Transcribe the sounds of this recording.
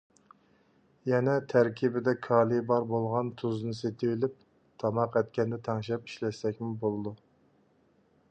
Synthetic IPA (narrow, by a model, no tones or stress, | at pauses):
jɛnɛt̪ʰæɾkʲʰibɪd̪ɛkʰɑːlˠibɑɾbolˠʁɑnt̪ʰuznɨset̪ʰɪlɪp̚ | t̪ʰɑmɑqɛt̪̚kʲɛnd̪ɛt̪ʰɑŋʃɛpi̥ʃlɛsɛkʲmɪbolˠɨd̪u